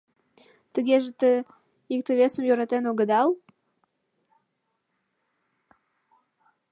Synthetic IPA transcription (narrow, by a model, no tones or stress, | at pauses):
t̪əɣeʒet̪ə | ik̚t̪əβʲesəmjøɾɑt̪enoɣəd̪ɑl